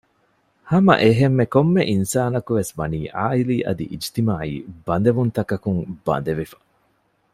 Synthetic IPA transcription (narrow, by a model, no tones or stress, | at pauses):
hɐmɐ̰ʔeɦemːekomːeʔinsaːnɐkuʋesmɐniːʔaːiliːʔɐ̰d̪ḭʔid͡ʒt̪imaːḭːbɐnd̪eʋunt̪ɐkɐkuŋb̥ɐ̰nd̪eʋifɐ̥